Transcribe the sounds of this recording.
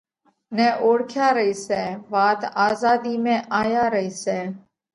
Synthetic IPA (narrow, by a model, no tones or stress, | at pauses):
nɛ̃ːʔoːɽkʰjaːɾəiːsɛːʋaːt̪aːzaːd̪iːmẽːʔaːjaːɾəiːsɛː